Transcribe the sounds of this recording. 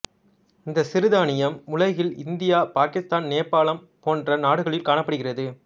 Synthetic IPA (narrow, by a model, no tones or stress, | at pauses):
ɪnd̪ɐsɪɾɯðaːnɪjɐmʊlɐɪɣɪlɪ̰nd̪ɪjaːpaːkɪst̪aːnneːpːaːlɐm | poːndrɐnaːɽɯɣɐɭɪlkaːɳɐpːɐɽɯɣɪrɐðɯ